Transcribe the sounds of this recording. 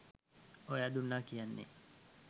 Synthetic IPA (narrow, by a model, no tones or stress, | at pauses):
ojad̪unːakijanːḛ